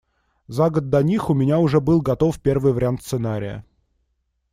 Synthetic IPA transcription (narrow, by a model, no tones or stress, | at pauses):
zaɡəd̪̚d̪ɐnʲixʊmʲɪnʲaʊʐɛbɨlˠɡɐt̪o̞fpʲe̞rvɨjvəɾʲɪant̪sɨnaɾʲɪjə̰